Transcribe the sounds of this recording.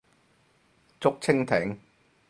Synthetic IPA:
t͡sʊ˥k̚t͡sʰɪ˥ŋt̪ʰɪ˨˥ŋ

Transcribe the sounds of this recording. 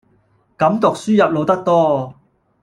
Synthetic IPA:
kɐ˨˥mt̪ʊ˨k̚syː˥jɐ˨p̚lo˨˧wt̪ɐ˥k̚t̪ɔː˥

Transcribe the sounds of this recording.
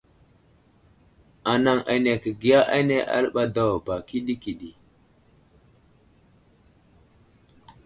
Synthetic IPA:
a˨na˨ŋʔa̰˨ne˨kə˨ɡi˨ja˦ʔa˦ne˦ʔa̰˦lɓa˦da˦wa˨ba˨ki˦ɗi˦ki˨ɗi˨

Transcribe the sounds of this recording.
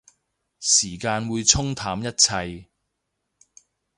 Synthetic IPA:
siː˨˩kaː˧nwuː˨˧jt͡sʰʊ˥ŋt̪ʰaː˨˥mjɐ˥t̚t͡sʰɐ˧j

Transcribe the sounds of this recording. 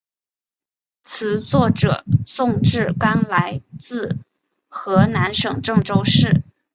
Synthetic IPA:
t͡sʰɹ̩˧˥t͡swɔ˥˩ʈ͡ʂɤ̰˨˩sʊ˥˧ŋʈ͡ʂɻ̩˥˩ka˥nla˧˥ɪt͡sɹ̩˥˩ | xɤ˧˥na˧˥nʂɤ˨˩ŋʈ͡ʂɤ˥˩ŋʈ͡ʂo˥ʊʂɻ̩˥˩

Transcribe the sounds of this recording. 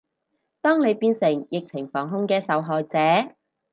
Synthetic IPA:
t̪ɔː˥ŋne˨˧jpiː˧nsɪ˨˩ŋjɪ˨k̚t͡sʰɪ˨˩ŋfɔː˨˩ŋɦʊ˥ŋkɛː˧sɐ˨˧wɦɔː˨jt͡sɛː˨˥

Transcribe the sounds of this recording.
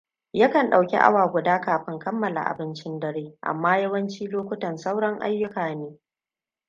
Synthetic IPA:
jaː˦kɐ˨nɗa˨wkʲḭ˦ʔa̰˦waː˨ɡʷʊ˨daː˦kaː˨ɸɪ˦ŋkɐ˦mːɐ˨la̰˨ʔa̰˨bɪ˦nt͡ʃɪ˦ndɐ˦ɽeː˦ʔa̰˨mːaː˦jɐ˦wɐ˦nt͡ʃiː˦loː˦kʷʊ˦tɐ˨nsa˦wɽɐ˦ŋʔa̰˦jːʊ˦kaː˨neː˦

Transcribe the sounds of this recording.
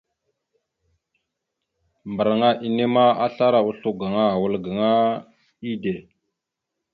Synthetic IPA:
mbə˨ɾŋa˦ʔi˨ne˦ma˦a˦ɬa˦ɾa˨u˦ɬu˦ɡa˨ŋa˦a˨wu˨lɡa˨ŋa˦ | i˦de˨

